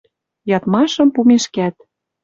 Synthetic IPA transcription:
jɑt̪mɑʃɤ̆mpumeʃkæt̪̚

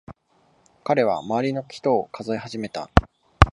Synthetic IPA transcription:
kaɾe̞β̞a̰maβaɾʲino̞kʲi̥t̪o̞ːkʰazoihaʑime̞t̪a̰

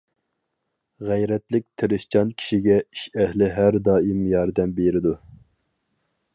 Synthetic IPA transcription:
ʁɛjɾɛt̪lɪk̚ʲt̪ʰɪɾɪʃt͡ʃʰɑnkʲʰi̥ʃiɡʲɛiʃɛhlɪɦæɾd̪ɑːimjɑɾd̪ɛmbeɾɪd̪u

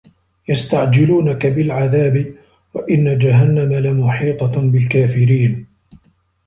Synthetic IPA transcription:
jast̪aʕd͡ʒɪluːnakabɪlʕaðaːbɪ | waʔɪnːad͡ʒaɦanːamalamʊħiːt̪ˤɑbɪlkaːfɪɾiːn

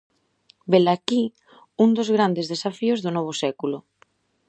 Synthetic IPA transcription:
belaki | und̪ozɣɾand̪ezðesafiozðonɔβ̞osɛkulo

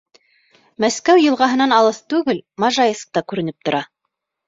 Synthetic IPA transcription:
mæskæwjɤ̆lˠʁɑɦɤ̆nɑnɑlˠɤθt̪ʉɡɘlmɑʒɑjɤsq̚t̪ɑkʉɾɘ̆nɘp̚t̪ŏɾʔɑ

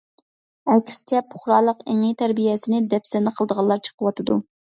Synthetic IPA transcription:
ɛkʲsɪ̥t͡ʃʰɛpʰʊ̥χɾɑːlˠəqeŋit̪ʰæɾbijɛsɪnɪd̪ɛpsɛnɨqʰəlˠd̪əʁɑlˠːɑɾt͡ʃʰə̥qʰəwɑt̪ʰɨd̪u

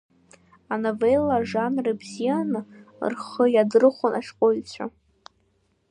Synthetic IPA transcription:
anovelːaʐanrɨbzijanɨ̰rχəjadɨrɨχʷʊnʔaʃqʼojt͡sʷʰa̰

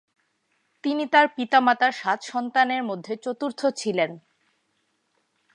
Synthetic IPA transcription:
t̪init̪aɾpit̪amat̪aɾʃat̪ʃɔnt̪aneɾmod̪ʱːet͡ɕot̪uɾt̪ʰot͡ɕʰilen

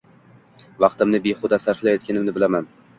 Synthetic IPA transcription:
vɑqt̪ɪmnɪbeχʊd̪asaɾflajɒt̪̚kʲanɪmnɪbɪlaman

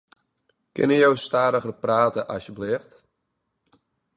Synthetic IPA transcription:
kɪ̰nəjowstaːɾəɣərpraːtəʔɑsjəblɪft

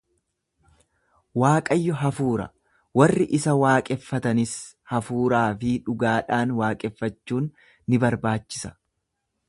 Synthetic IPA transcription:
waːkʼɐjːɔɦɐfuːɾɐ̰ | wɐrːɪʔɪsɐwaːkʼɛfːɐt̪ɐnɪs | hɐfuːɾaːfɪᶑʊɡaːᶑaːnwaːkʼɛfːɐt͡ʃːuːnː | ɪbɐɾbaːt͡ʃːɪ̥sɐ̥

